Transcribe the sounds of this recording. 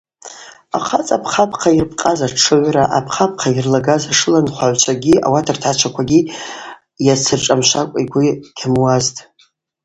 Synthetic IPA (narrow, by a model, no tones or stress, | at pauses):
a̰χʰat͡sʼapʰχapʰʼqʰairpʰʼqʼazaʈ͡ʂʰɨɥʷraʔapʰχap̚ʰqʰairlaɡazaʂɨlanχʷaʕʷt͡ʃʷʰaɡʲiʔa̰watʰartʰat͡ʃʷʰakʷʰaɡʲi | jat͡sʰɨrʈ͡ʂʼamʃʷakʷʼiɡʷʊɡ̥ʲamwaztʼ